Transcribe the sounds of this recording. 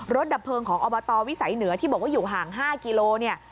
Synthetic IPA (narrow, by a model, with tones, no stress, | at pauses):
ɾo˦˥t̪̚da˨˩pʰɤː˧ŋkʰɔː˩˦ŋʔɔː˧bɔː˧t̪ɔː˧wi˦˥sa˨˩˦jnɯ˨˩˦ɐt̪ʰi˥˩bɔː˨˩k̚wa˥˩juː˨˩ɦaː˨˩ŋɦaː˥˩ki˧loː˧ni˥˩ɐ